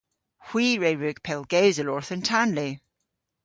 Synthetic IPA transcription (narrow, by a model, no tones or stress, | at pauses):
hw̥iːɹeɹʉɡ̥̚pʰɛlˠɡ̥ɛwzəlɔɹθəntʰanli